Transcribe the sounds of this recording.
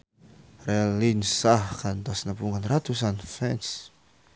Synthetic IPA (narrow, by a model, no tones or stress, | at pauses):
rɛlinsahkant̪ɔsnəpuŋanrat̪usanfɛns